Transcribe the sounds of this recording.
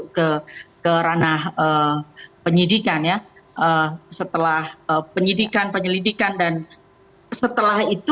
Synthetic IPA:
kəkəɾanahəpəɲidikanjaʔəsət̪əlahəpəɲidikanpəɲəlidikandan | sət̪əlahit̪

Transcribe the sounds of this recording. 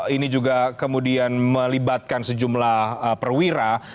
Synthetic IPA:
inid͡ʒuɡakəmudianməlibat̪̚kansəd͡ʒumlahəpərwiɾa

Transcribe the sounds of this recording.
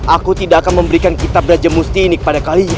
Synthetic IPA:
ʔakut̪idaʔːkanməmbəɾikankit̪ap̚ɾad͡ʒamust̪iːnikə̥padakali

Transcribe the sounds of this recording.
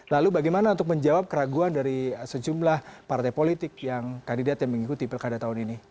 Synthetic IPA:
lalubaɡajmanaunt̪ʊk̚məɲd͡ʒawap̚kəɾaɡuandaɾisəd͡ʒumlahpart̪ajpolit̪ɪk̚jaŋkandidat̪jaŋməŋikut̪ipəlkadat̪aɦʊnini

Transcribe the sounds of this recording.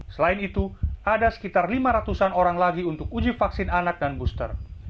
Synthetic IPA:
səlaɪnit̪uadasə̥kit̪arlimaɾat̪usanoɾaŋlaɡiunt̪ʊkud͡ʒɪfaksɪnanak̚danbust̪ə̰r

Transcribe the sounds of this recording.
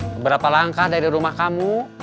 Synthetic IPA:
bəbəɾapalaŋkahdaɾiɾumahkamu

